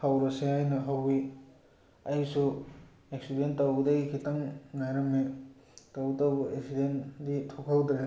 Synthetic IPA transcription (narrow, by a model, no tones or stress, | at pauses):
hawɾɐseajnɐɦawi | ajsu | eksidentawɡdɐɡikʰitaŋːajɾɐmni | tawtabɐeksidenditʰokʰawdɾe